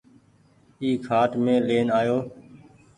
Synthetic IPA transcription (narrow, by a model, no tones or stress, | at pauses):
iːkʰaːʈmẽːleːnaːjoː